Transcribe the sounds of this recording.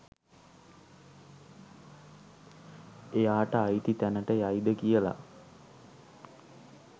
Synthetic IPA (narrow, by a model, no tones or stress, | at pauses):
ejaːʈəajit̪it̪ænəʈəjajd̪əkijəla̰